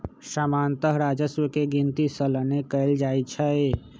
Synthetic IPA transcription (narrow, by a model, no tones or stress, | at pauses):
səmant̪əɦɾad͡ʒəswəkeɡint̪isələnekəɪld͡ʒajt͡ʃʰə